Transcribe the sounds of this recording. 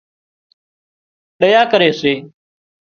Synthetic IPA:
ɗəjaːkəɾeːseː

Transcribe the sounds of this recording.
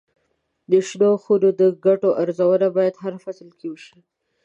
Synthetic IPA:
d̪əʃloxuɾod̪əɡaʈoʔaɾzawənabɑjad̪ɦaɾfaslkewəʃi

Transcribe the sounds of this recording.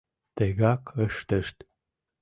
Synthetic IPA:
t̪eɣakəʃt̪əʃt̪

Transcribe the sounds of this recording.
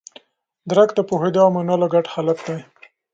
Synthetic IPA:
d̪ɾakd̪əpohed̪amanalaɡaʈhalat̪̚d̪aj

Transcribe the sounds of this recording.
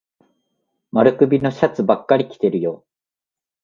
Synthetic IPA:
maɾɯ̟kɯ̟bʲino̞ɕat͡sɨbakːaɾʲikʲi̥t̪e̞ɾɯjo̞ː

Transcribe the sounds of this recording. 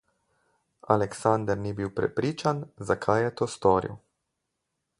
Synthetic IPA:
a̰lɛksand̪əɾnibiːwpɾɛ̰pɾiːt͡ʃanzakʰajɛt̪oːst̪ɔːɾḭw

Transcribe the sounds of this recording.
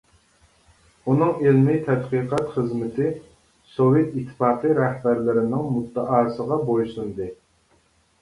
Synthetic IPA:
unɨŋelmɪt̪ʰɛd̪qiqʰɑt̪χəzmɪt̪ʰɪ | sowjet̪it̪ʰːɨ̥fɑːqɨɾɛhbæɾlɪɾɪnɪŋmut̪ːəʔɑːsəʁɑbojsund̪ɨ

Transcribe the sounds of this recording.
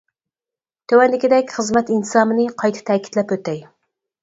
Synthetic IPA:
t̪ʰøwɛnlːɪkʲid̪ɛkʲχəzmɛt̪int̪ɨ̥sɑːmɨnɨqʰɑjt̪ʰɪ̥t̪ʰɛːkʲi̥t̪lɛpøt̪ːɛj

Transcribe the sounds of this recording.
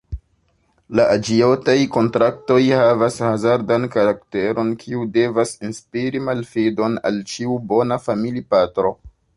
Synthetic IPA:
laʔad͡ʒio̞tajko̞ntɾak̚to̞jhavashazaɾdankaɾakte̞ɾo̞nkʰiude̞vasinspiɾimalfido̞na̰lt͡ʃiubo̞nafamilipatɾo̞

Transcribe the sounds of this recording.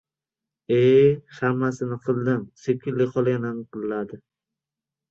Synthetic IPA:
ehamːasɪnɪqʰɨlˠd̪ɪmsep̚kʰʲːɪlːɪqʰɒlˠajnanqɨlːad̪ɪ

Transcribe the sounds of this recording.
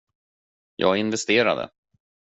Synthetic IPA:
jʔɑ̰ːɡɪnvɛst̪eːɾa̰d̪ə̰

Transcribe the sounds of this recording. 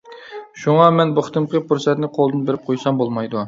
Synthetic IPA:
ʃuŋɑmɛnbʊχt̪ʰɨmqəpʰuɾsɛt̪nɪqʰolˠd̪ɨnbeɾɪp̚qʰojsɑmbolˠmɑjd̪u

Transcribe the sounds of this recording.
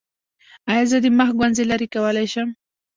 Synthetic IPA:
ajazad̪imaxɡwanzilaɾikawalajʃam

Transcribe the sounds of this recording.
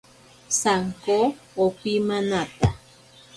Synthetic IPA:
saŋkoː | pimãnat̪a

